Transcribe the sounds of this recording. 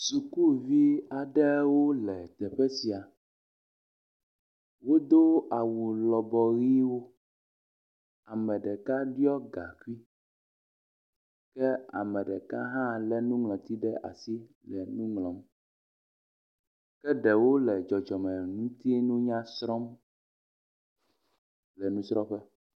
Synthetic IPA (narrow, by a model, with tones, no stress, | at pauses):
su˨ku˦vi˦a˨ɖɛ˦wo˦lɛ˨t̪ɛ˨ɸɛ˦si˨a˨ | wo˦d̪o˦a˨wu˨lɔ˨bɔ˨ɣi˦wo˦ | a˨mɛ̃˨ɖɛ˨ka˦ɖi˦ɔ˦ɡa̰˨ki˦ | kɛ˦a̰˨mɛ̃˨ɖɛ˨ka˦ɦã˦lɛ˦nũ˦ŋlɔ̃˨t̪i˦ɖɛ˦ʔa̰˨si˦ | lɛ˨nũ˦ŋlɔ̃˨m | kɛ˦ɖɛ˨wo˦lɛ˨d͡ʒɔ˨d͡ʒɔ˨mɛ̃˨nũ˦t̪i˦nũ˦ɲã˦sɾɔ˦m | lɛ˨nũ˦sɾɔ˦ɸɛ˦